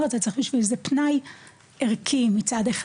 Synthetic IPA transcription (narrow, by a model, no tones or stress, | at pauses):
at̪at͡seχbiʃvilzepnaj | eʁkʰimit͡sad̪eχ